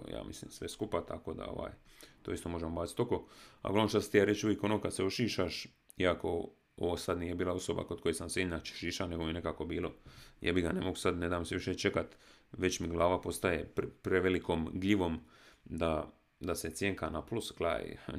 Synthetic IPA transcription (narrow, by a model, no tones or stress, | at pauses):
ja̰ːmislḭːmsʋeskupat̪a̰koːd̪a̰o̰ʋa̰ːjt̪oːist̪o̞mo̞ʒemobaːi̥t̪o̞koa̰ɡlaʋnot͡ʃast̪ijaɾet͡ʃuʋjeko̞nokad̪seoʃiːʃaʃ | iako̞̰ | o̰ʋosad̪niːjebiːlˠao̞so̞ba̰ko̞d̪̚ko̞jesamseɲat͡ʃe̥ʃiːʃane̞ɡo̞minekako̞biːlo̞̰ja̰ːbiɡanemoɡusad̪ne̞d̪aːmseʋiʃet͡ʃe̞kat̪ | ʋe̞t͡ʃmiɡlˠaːʋapo̞st̪ajeppɾeʋelikomɡliʋo̞m | d̪a | d̪aset̪sjeːŋkanapluskla̰ːj̰